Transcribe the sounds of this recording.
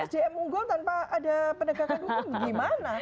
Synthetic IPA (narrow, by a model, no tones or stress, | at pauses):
ɛsdeɛmuŋɡɔlt̪anpaːdapənəkakandut̪ʊbaɡimana